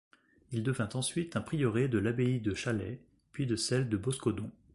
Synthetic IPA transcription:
ild̪əvɛ̃t̪ɑ̃sɥit̪ɛ̃pχijɔʁed̪əlabeid̪əʃalɛ | pɥid̪əsɛld̪əbɔskɔd̪ɔ̃

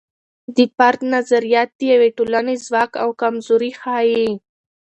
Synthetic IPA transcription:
d̪əpaɾt̪nazaɾijɑt̪̚d̪əjaweʈolanezwɑka̰wkamzoɾixɑje

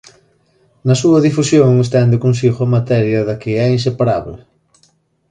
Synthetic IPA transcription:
nɐsuɐðifusjoŋes̬t̪ɛnd̪ɪkonsiɣoɐmat̪ɛɾjɐðɐkɪɛins̬epaɾaβlɪ

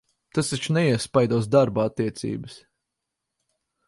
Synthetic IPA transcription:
t̪asat͡ʃnɛiɛspajd̪ɔɔsd̪aɾbaat̪ːiɛt̪sḭːbəs

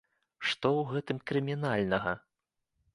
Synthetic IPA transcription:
ʂt̪ɔwɣɛt̪ɨmkɾɨmʲinalʲnɐɣɐ

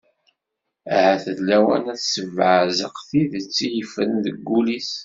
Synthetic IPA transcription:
æhæθəðlæwæ̰næθsəvʕəzəqθiðət͡sːijəfəðəɡːulis

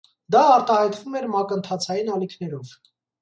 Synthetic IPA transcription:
d̪ɑːɾt̪ɑhɑjt̪vumɛɾmɑkənt̪ʰɑt͡sʰɑjinɑlikʰnɛɾɔv

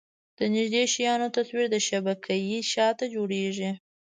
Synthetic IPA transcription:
d̪̥ənɪʒd̪eʃjɑnot̪aswiɾd̪əʃabakʰajiʃɑt̪ad͡ʒoɽeʒi

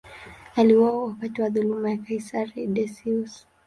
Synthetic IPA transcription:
aliwaɔwapatiwaðulumajakajsaɾidɛsius

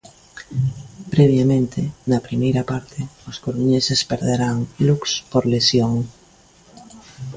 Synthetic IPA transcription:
pɾeβ̞jamẽnt̪ʰenapɾimejɾapaɾt̪ʰeoskoɾuɲesespeɾðeɾaŋlukspoɾlesjoŋ

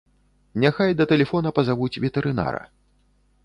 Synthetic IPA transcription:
nʲaxajd̪ɐt̪ɛlʲɛfɔnɐpɐzavut͡sʲvʲɛt̪ɛɾɨna̰ɾɐ̰

